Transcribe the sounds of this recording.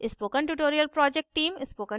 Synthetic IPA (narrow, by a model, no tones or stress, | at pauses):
ɪspoːkənʈuʈoːɾiəlpɾɔːd͡ʒek̚ʈʈiːmɪspoːkə̃ɳ